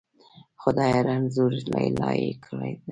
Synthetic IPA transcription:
xʊd̪ɑjaɾanzuɾlalɑjekʰəlajd̪a

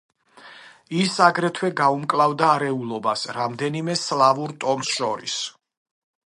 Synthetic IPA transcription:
isaɡɾɛt̪ʰwɛɡaumkʼlˠavd̪aːɾɛulˠɔbasɾamd̪ɛnimɛslˠavuɾt̪ʼɔmsʃɔɾis

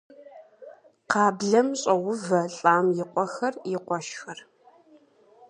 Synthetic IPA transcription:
qɑːbɮɐmɕʼɐʁʷʊvɐɬʼaːmjɪqʷʼɔxɐrjɪqʷɔʃxɐr

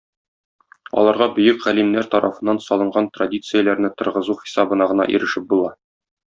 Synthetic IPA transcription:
ɒ̰lˠɑɾʁɑbɵ̆jɘkʁælimnæɾt̪ɒɾʔɑfɤ̆nːɑnsɒlˠɤ̆ɴɢɑnt̪radʲit̪sɨjəlæɾnɘt̪ɤ̆ɾʁɤ̆zuχi̥sɑbɤ̆nɑʁɤ̆nɑ̰ʔḭɾɘ̆ʃɘp̚bulˠɑ

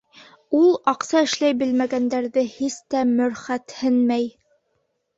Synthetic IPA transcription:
ulˠɑqsɑɘ̆ʃlæjbɘ̆lmæɡænd̪æɾðɘhist̪æmɵ̆ɾχæt̪hɘnmæj

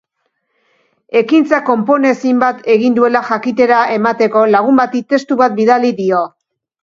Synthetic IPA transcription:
e̞kint͡sako̞mpo̞ne̞simbat̪ʰe̞ɣind̪ue̞laʝakit̪e̞ɾaʔe̞mat̪e̞ko̞laɣ̞umbat̪it̪e̞st̪uβat̪̚biðaliðio̞

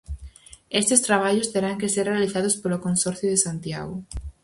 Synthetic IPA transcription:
est̪est̪ɾaβ̞aʎʊst̪eɾaŋkeseɾrealiθaðʊspolokõnsɔɾθjoðesant̪ja̰ɣʊ

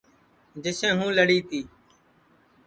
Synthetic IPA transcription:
d͡ʒɪsẽːɦũːləɽiːt̪iː

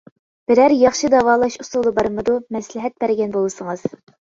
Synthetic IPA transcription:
b̥ɪɾæɾjɑχʃɨd̪ɑwɑːlˠɑʃusulˠɨbɑɾmɨd̪umɛslɪɦɛt̪̚bæɾɡʲɛnbolˠɨsəŋɨz̥

